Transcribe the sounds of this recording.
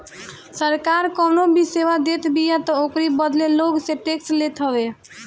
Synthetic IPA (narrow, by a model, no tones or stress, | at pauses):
səɾkaɾkɔnobiseʋad̪et̪ʰbijat̪ɔokɾibəd̪leloɡsẽʈekslet̪ɦəbe